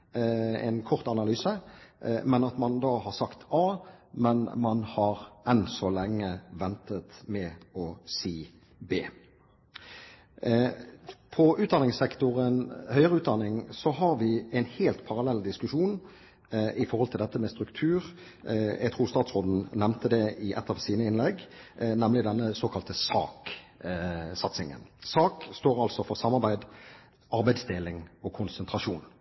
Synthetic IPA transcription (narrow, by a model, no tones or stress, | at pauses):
ɛ̰ɪnkʰɔʁt̪ɑnɑlyːsə | mɛnɑt̪mɑnd̪ɑːhɑʁsɑkt̪ɑːmɛnmɑnhɑʁɛnsɔlɛŋːəʋɛnt̪ət̪mɛɔsiː | beː | pʰɔʉːt̪̚d̪ɑnɪŋsɛkt̪ʊʁənhœʏəʁəʉːt̪̚d̪ɑnːɪŋsɔɦɑɾʋɪæɪnheːlt̪pʰɑʁɑlɛlːd̪ɪskʉʃuːn | ʔɪfɔɾʁhɔlt̪ɪld̪ɛt̪ːəmɛst̪ɾʉkt̪ʰʉːʁ | jɛ̰ɡ̚t̪ʰʁuːst̪ɑːt̪sʁoːd̪n̩nɛmnt̪əd̪ɛʔɪʔɛt̪ːɑʋsiːnəɪnlɛɡnɛmlɪd̪ɛnːəsoːkʰɑlt̪əsɑ̰ːk | sɑt̪sɪŋə̰nsɑːkst̪oːɾɑlsɔfɔʁsɑmɑʁbæɪd̪ | ɑɾbæɪd̪sd̪eːlɪŋɔkʰʊnsənt̪ʁɑʂuːn